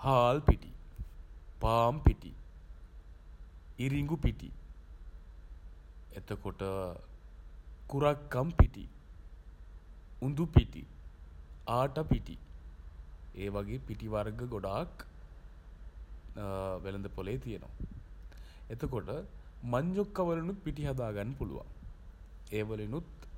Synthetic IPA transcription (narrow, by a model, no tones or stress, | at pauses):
haːlpiʈḭ | paːmpiʈḭ | iɾiŋɡupiʈḭ | et̪əkoʈə | kuɾakːampiʈḭ | und̪upiʈḭ | aːʈapiʈḭ | eːʋaɡeːpiʈiʋarɡəɡoɖaːk | ʋelənd̪əpoleːt̪ijeno̰ʋa | et̪əkoʈəmaɲd͡ʒokːɐʋəlenut̪̚piʈiɦɐd̪aːɡanːəpulṵʋa̰ | eːʋəlenut̪